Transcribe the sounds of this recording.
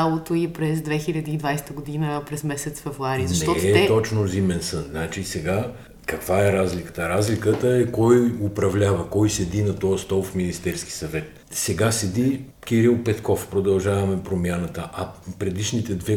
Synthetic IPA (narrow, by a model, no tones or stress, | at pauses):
alˠot̪oipɾɛzd̪vɛxilʲɐd̪iːd̪vajst̪əɡʊd̪inəpɾɛzmɛsɛt̪sfɛvɾuaɾizɐnʃɛtɔt̪ɔt͡ʃnozimɛnsənnat͡ʃisɛɡa | kɐkvaɛɾazlikə̥t̪əɾazlʲikət̪əɛkɔjʊpɾɐvlʲavɐkɔjsɛd̪inɐt̪ɔəst̪ɔlˠfminist̪ɛɾski̥sɐvɛt̪ | sɛɡasɛd̪i | k̟iɾilˠpɛt̪kɔfpɾod̪ɐlˠʒavɐmɛpɾomjanət̪əʔɐpɾɛd̪iʃnit̪ɛd̪vɛ